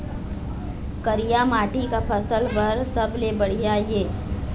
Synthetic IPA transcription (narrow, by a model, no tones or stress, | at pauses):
kəɾijamaːʈikapʰəsəlbɐɾsɐblebəɽ̤ijajeː